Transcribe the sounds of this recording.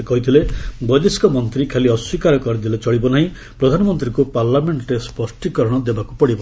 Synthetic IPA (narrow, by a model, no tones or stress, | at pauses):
kɔɦit̪ʰilebɔjd̪eskɔmɔnt̪ɾikʰeliɔswikaɾɔkɔɾid̪ilet͡ʃɔɽibɔnaɦĩ | pɾɔd̪ʱanɔmɔnt̪ɾikupaɾlameɳʈɔɾespɔsʈikɔɾɔɽ̃ɔd̪ebakupɔɽibɔ